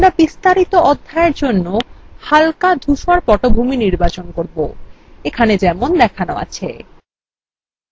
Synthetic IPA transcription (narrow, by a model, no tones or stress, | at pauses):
amɾabist̪aɾit̪oʔɔd̪ʱːaeɾd͡ʑonːohalkad̪ʱuʃaɾpɔʈobʱuminiɾbat͡ɕonkoɾbo | ekʰaned͡ʑɛmond̪ɛkʰanoa̰t͡ɕʰḛ